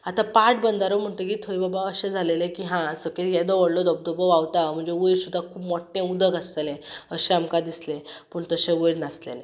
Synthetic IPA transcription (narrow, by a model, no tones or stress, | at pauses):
at̪ãpaʈ̚bənd̪ʱaɾom̤əɳʈ̪əɡiːt̪ʰoibabaəɕẽd͡zʱalelekiːɦãsəkeljɛd̪ɔʋəɽlɔd̪ɔb̚d̪ɔbəʋaʋt̪am̤əɳd͡zeʋuɾsud̪ʱːakʰuːpmɔʈːẽud̪ʱəɡaslelẽəɕẽamkad̪islẽpəːɳt̪əɕẽʋəjɾnaslḛle